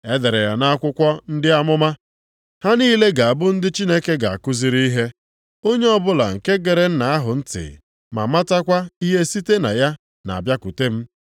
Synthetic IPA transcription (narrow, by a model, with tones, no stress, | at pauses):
e˦de˨ɾe˨ja˨na˦a˦kʷʊ˦kʷɔ˦n̩˦dɪ˦a˦mʊ˦ma˦ | ha˦niː˦le˦ɡa˨a˨bʊ˦n̩˦dɪ˦t͡ʃi˦ne˦ke˦ɡa˨a̰˨kʊ˦zi˦ɾi˦i˦ɦe˦ | o˦ɲe˦ɔ˦bʊ˦la̰˨ŋ̩˨ke˦ɡe˨ɾe˨n̩˦na˨a˦ɦʊ˨n̩˦tɪ̰˨ | ma̰˨ma˦ta˦kʷa˦i˦ɦe˦si˦te˦na̰˨ja˦ | na̰˨bja˦ku˨te˦m̩˦